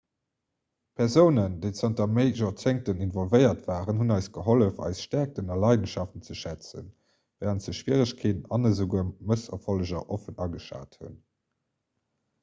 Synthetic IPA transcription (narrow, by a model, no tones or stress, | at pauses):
pʰɛʁzəʊnəndeɪt͡sɑntɐmeɪʒot͡seŋ̚təninvɔlvəɪɐtv̥aːʁənhunɑɪsɡ̥əɦoləfɑ̰ɪsʃtæɐk̚tənɑlɑɪdənʃɑftən̩t͡səʃæt͡sə̰n | vɛːʁəntz̥əʃv̥iəʁəɕkʰeːtənɑnəzəɡuːɐməsɐ̰foləʑɐʔofənɑɡəʃa̰ːthṵn